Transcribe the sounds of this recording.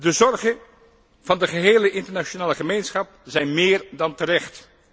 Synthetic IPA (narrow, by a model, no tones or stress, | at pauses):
dəzɔrχən | v̥ɑndəχəɦeːləʔɪntəɹnaʃonaːləχəmejnsχɑp̚zɛjnmɪːrdɑntəɾɛχt